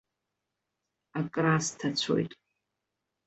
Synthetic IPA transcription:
akʼrastʰat͡sʷʰo̰jtʼ

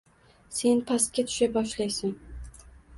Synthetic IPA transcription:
se̞npʰast̪̚kʲat̪ʰʊ̥ʃabɒʃlajsɪn

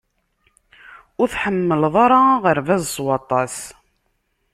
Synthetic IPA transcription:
ʊɾθħəmːəlðˤɑɾˤɑʁəɾvæzsˤwɑt̪ˤɑs

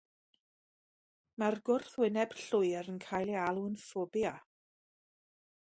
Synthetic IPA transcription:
marɡʊrθwɪnɛb̥ɬʊjɾənkʰajlˠialˠuənfɔbja

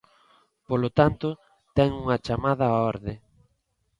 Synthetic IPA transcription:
polot̪ant̪ʊ | t̪ɛŋuŋɐt͡ʃamaðɐɔɾðɪ

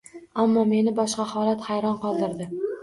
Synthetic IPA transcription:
amːɒme̞nɪbɒʃqɑhɒlat̪hajɾɒnqɒlˠd̪ɪɾd̪ɪ

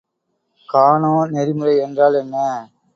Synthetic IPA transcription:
kaːɳõːnɛɾɪmɯrɐɪɛndraːlɛnːɐ

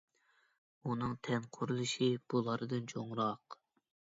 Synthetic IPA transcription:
unɨŋt̪ʰɛnqʰʊɾulˠɨʃib̥ulˠɑɾɨd̪ɨnt͡ʃʰoŋɾɑq

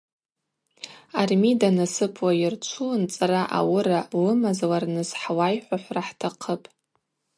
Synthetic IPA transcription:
armidanasɨpʰwajɪrt͡ʃʷʰunt͡sʼaraʔa̰wʊɾalɨmazlarnɨsħwajħʷaħʷraħtʰaqʰəpʼ

